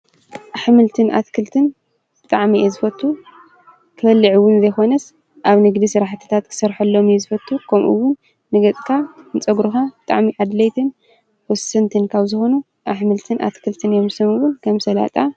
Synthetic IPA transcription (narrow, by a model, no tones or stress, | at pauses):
ʔaħmɨlt̪ʰɨnʔa̰t̪kʰɨlt̪ʰɨn | bɨt̪ʼaʕmiʔezɨfɐt̪ʰːu | kʰɨfɐlːiʕiwʊnzɐjxo̞nɐs | ʔaβnɨɡd̪isɨɾaħt̪ʰɨ̥t̪ʰat̪kʰɨ̥sɐɾħɐlːomjezɨfɐt̪ʰːukʰɐmʔṵwʊn | nɨɡɐt͡sʼkʰanɨt͡sʼɐɡɾuxabɨt̪ʼa̰ʕmiʔad̪lɐjt̪ʰɨn | wɔsɐnt̪ʰɨnkʰaβzɨxonu | ʔaħmɨlt̪ʰɨnʔa̰t̪kʰɨlt̪ʰɨnjomsɐmɨwʊnkʰɐmsɐla̰t̪ʼa